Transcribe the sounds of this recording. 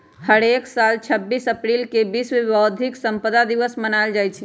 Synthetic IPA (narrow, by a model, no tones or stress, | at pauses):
həɽeksalt͡ʃʰəbːisəpɾilkebismeʋəwd̪ʱiksəmpəd̪ad̪iʋəsmənald͡ʒajt͡ʃʰɛ